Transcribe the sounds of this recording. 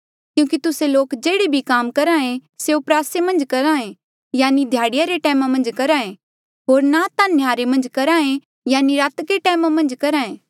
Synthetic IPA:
kjũːkit̪ʊseloːkd͡ʒeːɽebʱikaːmkɐɾaːẽseʊpɾaːsemɐ̃nd͡ʒkɐɾaːẽ | jaːnid̪ʱjaːɽɪjaɾeʈɛːmãmɐ̃nd͡ʒkɐɾaːẽ | ɦoːɾnat̪anjaːɾemɐ̃nd͡ʒkɐɾaːẽ | jaːniɾaːt̪keʈɛːmãmɐ̃nd͡ʒkɐɾaːẽː

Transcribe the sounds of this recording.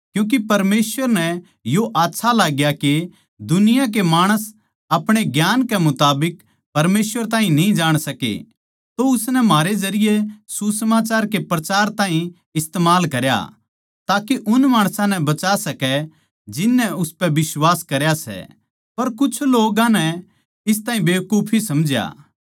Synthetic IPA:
kjũːk̬ipɐɾmeːsʋəɾnɛ̃ | joʔaːtːʃʰalaːɡjake | d̪ʊnɪjãk̬emaːɽ̃əs | ɐpɽ̃eɡjaːnkemʊt̪aːbɪk | pɐɾmeːswʋəɾt̪ãːɦĩnĩd͡ʒaːɽ̃sɐkḛ | t̪oʊsnɛmaːɾed͡ʒɐɾɪjesusɐmaːt͡ʃaːɾkepɾɐt͡ʃaːɾt̪ãːɦĩ | ɪst̪eːmaːlkɐɾja̰ | t̪aːkeʔʊnmaːɽ̃sãnɛbɐt͡ʃasɐkɛ | d͡ʒɪnːɛʊspɛʋɪswaːskɐɾjasɛ̰ | pɐɾkʊt͡ʃʰloːɡãnɛ | ɪs̬t̪ãːɦĩbeːkuːpʰisɐmd͡ʒja̰ː

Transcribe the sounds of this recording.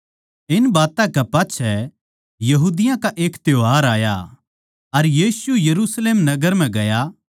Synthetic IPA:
ɪnbaːt̪ãkɐpaːtːt͡ʃʰɛ | jɐɦuːd̪ɪjãkaʔeːkt̪joɦaːɾaːja̰ | ɐɾjiːsujɐɾuːsleːmnɐɡəɾm̤ɛ̃ɡɐja

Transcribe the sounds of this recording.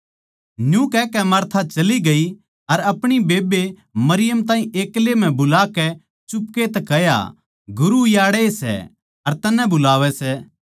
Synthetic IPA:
njũkɛːkɛmɐɾt̪ʰat͡ʃɐliɡɐi | ɐɾɐpɽ̃ibeːbe | mɐɾɪjəmt̪ãːĩʔeːklem̤ɛ̃bʊlaːkɛ | t͡ʃʊpket̪ɛkɐja̰ | ɡʊɾujaːɽɛesɛ̰ | ɐɾt̪ɐnɛ̃bʊlaːʋɛsɛ

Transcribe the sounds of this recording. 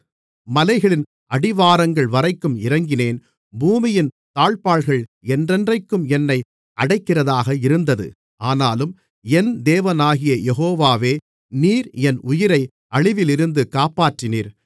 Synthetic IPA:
mɐlɐɪɣɐɭɪn | ɐɽɪʋaːɾɐŋɡɐɭʋɐɾɐɪkːɯmɪɾɐŋɡɪneːn | buːmɪjɪn | t̪aːɭpaːɭɣɐɭɛndrɛndrɐɪkːɯmɛnːɐɪ | ʔɐɽɐɪkːɪrɐðaːɣɐɪɾɯnd̪ɐðɯ̰ | aːnaːlɯm | ɛnd̪eːʋɐnaːɣɪjɐjɛɦoːʋaːʋeː | niːɾɛnʔʊjɪɾɐɪ | ɐɭɪʋɪlɪɾɯnd̪ɯkaːpaːʈrɪniːɾ

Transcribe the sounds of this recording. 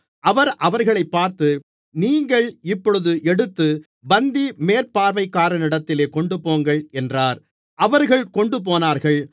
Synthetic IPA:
ʔɐʋɐɾʔɐʋɐɾɣɐɭɐɪpːaːɾt̪ɯ | niːŋɡɐɭɪpːɔɻɯðɯʔɛɽɯt̪ːɯ | bɐnd̪imeːɾpaːɾʋɐɪkːaːɾɐnɪɽɐt̪ːɪleːkɔɳɖɯpoːŋɡɐɭɛndraːɾ | ʔɐʋɐɾɣɐɭkɔɳɖɯp̬oːnaːɾɣɐɭ

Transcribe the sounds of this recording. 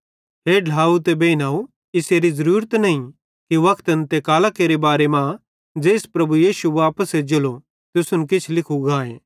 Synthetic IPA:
ɦeːɖʱaːut̪ebeːnaːu | ɪseːɾizɐɾuːɾət̪nɐɦĩ | kiʋɐkʰt̪ənt̪ekaːlakeːɾebaːɾemã | d͡ʒeːspɾɐbujiːsuʋaːpəsed͡ʒɐlo | t̪ʊsʊnkɪt͡ʃʰlɪkʰuɡaːẽː

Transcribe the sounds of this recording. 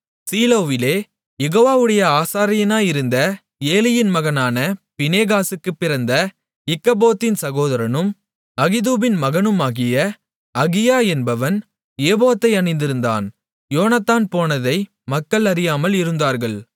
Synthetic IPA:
siːloːʋɪleː | jɛɣoːʋaːʋɯɽɐjɐaːsaːɾɪjɐnaːjɪɾɯnd̪ɐ | eːlɪjɪnmɐɣɐnaːnɐpɪneːɣaːsɯkːɯpːɪɾɐnd̪ɐ | ɪkːɐboːt̪ːɪnsɐɣoːðɐɾɐnɯm | ɐɣɪðuːbɪnmɐɣɐnɯmaːɣɪjɐ | ɐɣɪjaːɛnbɐʋɐn | eːboːt̪ːɐɪɐɳɐɪnd̪ɪɾɯnd̪a̰ːn | joːnat̪ːaːnpoːnɐðɐɪ | mɐkːɐɭɐɾɪjaːmɐlɪɾɯnd̪aːɾɣɐɭ

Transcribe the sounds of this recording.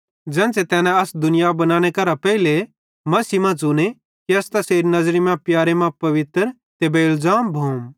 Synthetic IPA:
d͡zɛ̃ːnset̪ɛːnɛ̃ɐsd̪ʊnɪjabɐnãːɽ̃ekɐɾapɛile | mɐsimãt͡sʊñe | kiɐst̪ɐseːɾinɐzɾimɛ̃pjaːɾemãpɐʋɪt̪əɾ | t̪eːbeɪlzaːmbʱuːm

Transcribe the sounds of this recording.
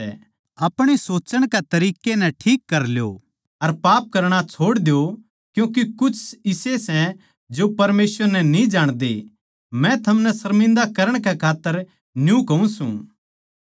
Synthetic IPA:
ɛ | ɐpɽ̃esoːt͡ʃəɽ̃ket̪ɐɾiːkenɛ̃ʈʰiːkːɐɾljo̰ | ɐɾpaːp̚kɐɾɽ̃at͡ʃʰoːɽd̪ejo | kjũːk̬ekʊt͡ʃʰɪsesɛ̃ | d͡ʒopɐɾmeːsʋəɾnɛnĩd͡ʒaːɽ̃d̪ḛ | mɛ̃t̪ʰɐmnɛsɐɾmɪ̃nd̪akɐɾəɽ̃kɛkʰaːt̪ːəɾ | njũkɐũsṵ̃ː

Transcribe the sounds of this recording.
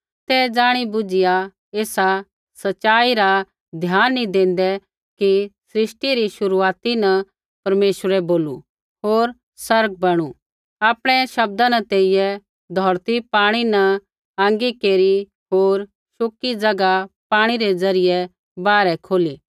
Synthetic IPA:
t̪ɛd͡zaːɽ̃ibʊd͡ʒɪja | eːsa | sɐt͡ʃaːiɾa | d̪ʱjaːnːĩd̪ẽːn̆d̪ɛ | kisɾɪsʈiɾiʃʊɾuaːt̪inɐ | pɐɾmeːʃəɾɛboːlṵ | ɦoːɾ | sɐɾɡ̚bɐɽ̃u | aːpɽ̃ɛ̃ʃɐb̚d̪ãnɐt̪eːɪjɛ | d̪ʱɔːɾt̪ipaːɽ̃inɐ | ãːŋɡikeːɾi | ɦoːɾ | ʃʊkːid͡zɐɡapaːɽ̃iɾɛd͡zɐɾɪjɛ | baːɾɛkʰoːliː

